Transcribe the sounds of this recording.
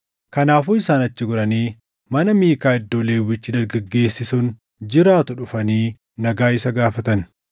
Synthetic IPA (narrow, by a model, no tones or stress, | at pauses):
kɐnaːfʊːɪsaːnɐt͡ʃːɪɡʊɾɐniː | mɐnɐmiːkaːɪd̪ːoːleːwːɪt͡ʃːɪd̪ɐɾɡɐɡːe̞ːsːɪsʊn | d͡ʒɪɾaːt̪ʊᶑʊfɐniː | nɐɡaːɪsɐɡaːfɐt̪ɐn